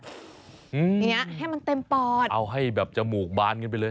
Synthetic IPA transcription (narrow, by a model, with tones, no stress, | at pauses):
ʔɯː˧˨˧a˥˩haː˥˩ma˧nt̪e˧mpɔː˨˩t̪̚ʔa˧wɦa˥˩jbɛː˨˩p̚t͡ɕa˨˩muː˨˩k̚baː˧nkɤ˧np̬a˧jlɤː˧j